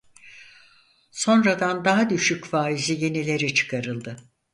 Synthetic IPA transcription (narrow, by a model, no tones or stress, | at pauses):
so̞nɾad̪and̪aɦad̪yʃycfaːizije̞nilʲe̞ɾit͡ʃʰɯ̥kʰaɾɯlˠd̪ɯ